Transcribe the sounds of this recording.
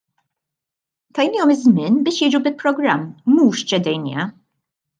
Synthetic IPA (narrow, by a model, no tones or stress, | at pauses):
t̪ajnijɔmɪzmɪnbɪʃjɛd͡ʒubɪpɾɔɡɾamːuʃt͡ʃɛd̪ɛjnjɛ̰